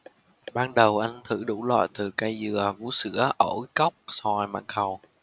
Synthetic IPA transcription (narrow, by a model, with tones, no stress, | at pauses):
ɓaː˧nɗə˨˩wʔa˧jŋ̟t̪ʰɨ˧˩ɗu˧˥lwa̰ː˧˨jt̪ɨ˨˩ka˧jzɨ˨˩əvṵ˧˦sɨ̰˧˥əʔə˧˩wkə˦˥wk͡p̚sɔ˨˩jma̰ː˧˨nhə˨˩w